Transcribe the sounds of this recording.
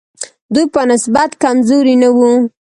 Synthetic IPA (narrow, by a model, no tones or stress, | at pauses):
d̪ujpənɪsbat̪kamzoɾinawu